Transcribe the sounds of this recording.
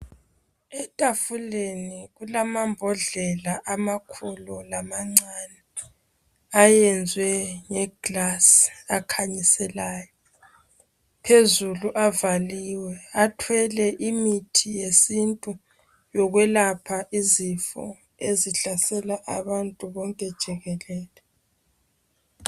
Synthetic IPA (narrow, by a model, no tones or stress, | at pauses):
ɛtʼafuleniɣulamambʱɔɮɛlaʔamakʰululamaŋ͡ǀanɛ | ajɛnd͡zʱwɛŋɛɡ̥lasakʰaɲisɛlaːjɔ | pʰezuluʔavaliwɛatʰwɛlɛʔimitʰijesintʼu | jɔɣwɛlapʰaʔizifɔ̰ | eziɬasɛlaʔaβantʼuβɔŋkʼɛd̥ʒ̥ʱɛɣɛlɛːlɛ